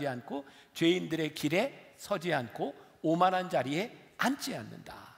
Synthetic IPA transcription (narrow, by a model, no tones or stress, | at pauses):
iankʰot͡ɕwe̞indɯɾe̞kiɾe̞sʰʌd͡ʑiɦankʰoomanɦand͡ʑaɾie̞ant͡ɕ͈ʰianːɯ̰nda̰